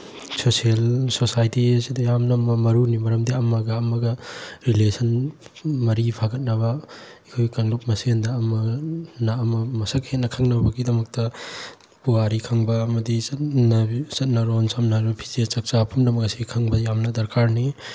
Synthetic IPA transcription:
sosielsosajtiɐsidɐjamnɐmɐmɐɾunimɐɾɐmdiɐmɐɡɐːmɐɡɐɾilesʰɐn | mɐɾipʰaɡɐt̚nɐβɐ | ikʰojkɐŋlup̚mɐsendɐːmɐnɐːmɐmɐsɐk̚het̚nɐkʰɐŋnɐbɐɡidɐmɐk̚tɐ | puaɾikʰɐŋbɐːmɐdisɐtnɐsɐt̚nɐɾonsɐmnaɾupʰi̥zet͡ʃɐk̚t͡ʃapʰumdɐmɐkɐsiɡkʰɐŋbɐjamnɐdɐɾkaɾni

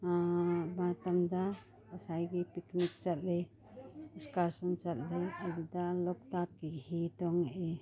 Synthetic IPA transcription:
abaɾt̪amd̪a | əsajɡipiknik̚t͡ʃat̪̚le | iskaɾsɔnt͡ʃat̪̚lealid̪alɔk̚takːiʔhit̪ɔŋʔe

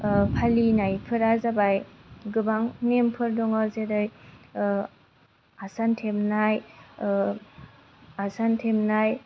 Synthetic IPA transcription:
pʰalinajpʰɯɾazabajɡɯbaŋŋempʰɯɾdɔŋɔzedɯj | asantʰemnaj | asantʰemnaj

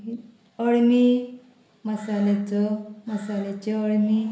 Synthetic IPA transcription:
i | əɭmi | məsalet͡sɔməsalet͡ɕeəɭmi

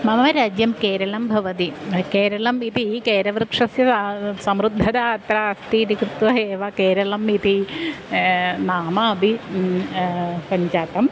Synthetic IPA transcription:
mɐmɐʋɐɾaːd͡ʒjɐmkeːɾɐlɐmbʱɐʋɐt̪ikeːɾɐlɐmit̪ikeːɾɐʋɾkʂɐsjɐsɐmɾud̪ʱːɐd̪aɐt̪ɾaɐst̪iːnikɾɨt̪ʋɐeːʋakeːɾɐlɐmit̪i | naːmɐɐbʱi | pɐɲt͡ʃaːt̪ɐm

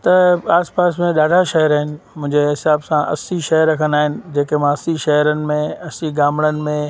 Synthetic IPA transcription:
t̪ɐaːspaːsmẽɗaːɖʱaʃɐɦəɾaːɦɪnɪ̆mʊ̃ɦɪ̃ɲd͡ʑeɦɪsaːbsãʔɐ̰siʃɐɦəɾːɐkʰənaːɦɪnɪ̆d͡ʑeːkemãɐsiʃɐɦəɾənɪ̆mẽɐsiɡaːmɽ̃ənɪ̆mẽ

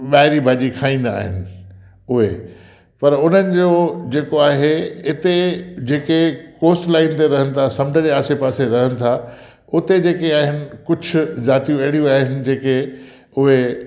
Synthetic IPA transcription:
ɓaːɦɪɾibʱaːʄikʰaːĩːn̆d̪a̰ːɦɪnɪ̆ | ʊɦe | pɐɾʊn̤ənɪ̆d͡ʑoːd͡ʑeːkoaːɦeɪt̪ed͡ʑeːkekoːsʈlaːinɪt̪eɾɐɦənɪ̆t̪ʰasɐ̃mʈəd͡ʑeːaːsepaːseɾɐɦənɪ̆t̪ʰa | ʊt̪ed͡ʑeːkeaːɦɪnɪ̆kʊd͡ʑʱʊ̆zaːt̪ijũeːɽijũaːɦɪnɪ̆d͡ʑeːke | ʊɦe

